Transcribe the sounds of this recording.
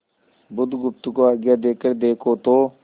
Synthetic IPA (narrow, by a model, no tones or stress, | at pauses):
bʊd̪ɡʊpt̪ʊkoaːɡjaːd̪eːkəɾd̪eːkʰoːt̪oː